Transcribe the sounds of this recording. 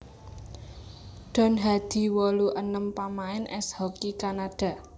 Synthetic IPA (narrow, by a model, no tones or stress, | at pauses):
ɖ̪̥ɔ̤nɦad̪̥i̤wɔluʔənəmpamaɪnʔɛshɔkikanaɖ̥ä̤